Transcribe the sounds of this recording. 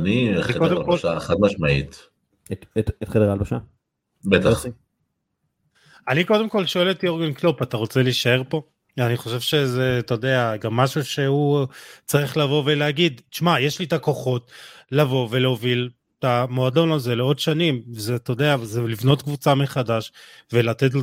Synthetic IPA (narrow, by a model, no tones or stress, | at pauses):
aniikodemkoaeχatmaʃmaḭt̪ | etetet̪χedeʁalbaʃa | bet̪aχ | aniko̞demko̞lʃo̞elet̪io̞ʁɡenklopat̪aʁo̞t͡se̞liʃae̞ʁpo̞ | aniχo̞ʃe̞vʃe̞zet̪odeaɡamːaʃuʃe̞hut͡saʁiχlavo̞ve̞leaɡid̪ʃmajeʃlit̪akoχo̞tlavo̞ve̞leovil | tamo̞ado̞nalze̞leo̞dʃanimvezet̪od̪eazelivno̞tkvut͡sameχadaʃvelat̪et̬